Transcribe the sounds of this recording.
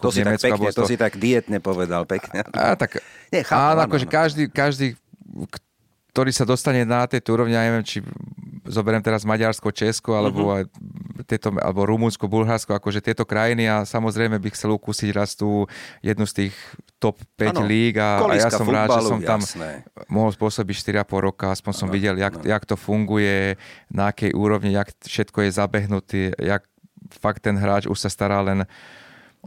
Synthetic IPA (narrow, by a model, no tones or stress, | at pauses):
kɔɲɛmɛt͡skabɔt̪sit̪aɡd̪iɛt̪ɲɛpɔʋɛd̪alpɛkɲɛa̰t̪akɲɛxaanɔakɔʒɛkaʒd̪iːkaʒd̪iːk | t̪ɔɾiːsad̪ɔst̪aɲɛnat̪ɛjt̪ɔuɾɔʋɲijaɲɛʋɛmt͡ʃizɔbɛɾɛmt̪ɛɾazmaɟaɾskɔt͡ʃɛskɔalɛbɔajt̪ɛjt̪ɔa̰lɛbɔɾumunskɔbulɦaɾskɔakɔʒɛt̪ɪɛt̪ɔkɾajiniasamɔzɾɛjmɛbixt͡sɛlukusiɟɾast̪uːjɛd̪nust̪iːxt̪ɔpːɛliːɡaljasɔmɾaːd̪ʒɛssɔmt̪am̰mɔɦɔlspʊɔsɔbicʃt̪iɾiapɔlɾɔkaaspɔɲsɔmʋiɟɛljakjakt̪ɔfuŋɡujɛnaakɛjʔuːɾɔʋɲiakfʃɛt̪kɔjɛzabɛɦnut̪iːja̰k̚ | fakt̪ːɛnɦɾaːt͡ʃṵʃsast̪aɾaːlɛn